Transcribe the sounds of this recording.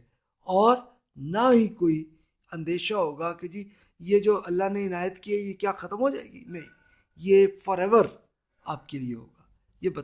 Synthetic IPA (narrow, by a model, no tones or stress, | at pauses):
ɔːɾ | naɦikoːi | ɐ̃nd̪eːʃaɦoːɡaked͡ʒiː | jed͡ʒoːɐlːaɦneɪnaːjət̪kiejekjaːxɐt̪əmɦod͡ʒa̰ːḛːɡḭnɐɦĩ | jefɔːɾɛːʋəɾ | aːp̚kelieɦo̰ːɡaː | jebɐt̪